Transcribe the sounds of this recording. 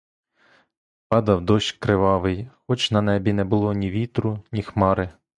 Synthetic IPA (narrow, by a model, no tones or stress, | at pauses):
pɑd̪ɐwd̪ɔʃkɾɪʋɑʋɪjxɔt͡ʃnɐnɛbʲinɛbʊlˠɔnʲiʋʲit̪ɾʊnʲixmɑɾɪ